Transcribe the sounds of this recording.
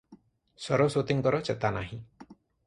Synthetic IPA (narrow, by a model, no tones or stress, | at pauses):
sɔɾɔsot̪iŋkɔɾɔt͡ʃɛt̪anaɦĩ